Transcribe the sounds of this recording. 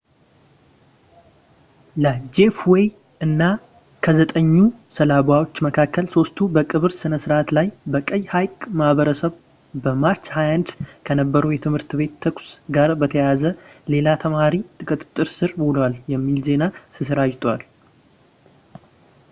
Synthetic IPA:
ləd͡ʒe̞fwej | ɨnːa | kʰəzət̪ʼəɲːusəlaβawo̞t͡ʃːməkʰakʰːəlso̞st̪ʰubəkʼɨβɨɾsɨnəsɨɾʔat̪lajbəkʼəjːhajkʼmahβəɾəsəβ | bəmaɾt͡ʃhajantkʰənəbːəɾəwjɛt̪ʰɨmhɨɾt̪βe̞t̪ːʰəkʼsɡaɾbət̪ʰəjazəle̞lat̪ʰəmaɾit̪ʼɨkʼɨt̪ʼt̪ʼːɨɾsɨɾmlwaljɛmːilze̞nasɨsɨɾad͡ʒt̪ʰʼwal

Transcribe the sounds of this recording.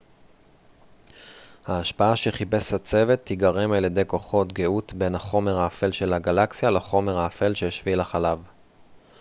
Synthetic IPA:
haːʃpaaʃeχibe̞shat͡se̞ve̞t̪ːiɡaʁe̞maljed̪e̞jko̞χo̞tɡeut̪be̞naχo̞me̞ʁhaːfe̞lʃe̞laɡalaksijalaχo̞me̞ʁaːfelʃejoʃvilaχalav

